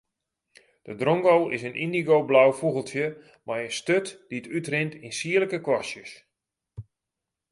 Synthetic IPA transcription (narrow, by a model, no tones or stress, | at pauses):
d̥ədrɔŋɡowɪsənʔindiɡowblawfuɣəlˠtjə | majənstøtd̥iətytrɪntinsiələkəkwɔsjəs